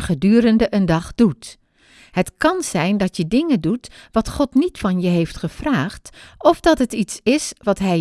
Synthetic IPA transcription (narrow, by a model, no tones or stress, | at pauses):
χədyːɾəndəʔəndɑχd̥ut | hətkɑnz̥ɛjndɑtjədɪŋədutʋɑtχɔtnitfɑnjəɦejftχəv̥raːχtɔfdɑtɦətitsɪsʋɑtɦɛ